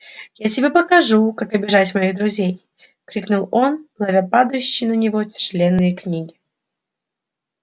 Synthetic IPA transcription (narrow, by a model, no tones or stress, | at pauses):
jatʲɪbʲepəkɐʐukakɐbʲɪʐatʲmɐiɣd̪ɾʊzʲej | kɾʲiknʊlˠo̞nlˠɐvʲapad̪əjʉɕːɪjnənʲɪvo̞tʲɪ̥ʂɨlʲenːɨjəknʲiɡʲɪ